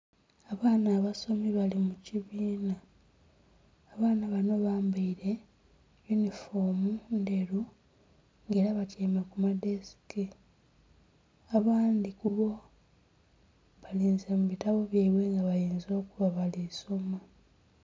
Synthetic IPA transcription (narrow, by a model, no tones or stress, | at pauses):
aβaːnaːβaso̞miβalimuciβiːna | βaːnaβano̞βaːmbaiɾe̞ | junifo̞ːmundeɾu | ŋɡe̞ːɾaβateːmakumadesi̥ki | aβaːndikuβo̞ | βaliːnzemuβitaβo̞βjaiβwe̞ŋɡaβajiːnzo̞ːkuβaβalisoma